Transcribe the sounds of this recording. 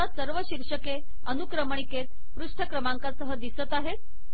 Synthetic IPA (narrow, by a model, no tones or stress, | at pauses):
asəɾʋəɕiɾʂəke | ənukɾəməɳ̃iket̪̚ | pɾuʂʈʰəkɾəmãŋkasəɦəd̪isət̪aɦet̪